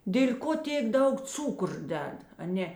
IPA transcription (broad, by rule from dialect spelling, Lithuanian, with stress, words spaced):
dʲeːlʲ ˈkoː ˈtʲeːk ˈdɐʊk ˈt͡suːkʊr ˈdʲɛt ɐˈnʲeː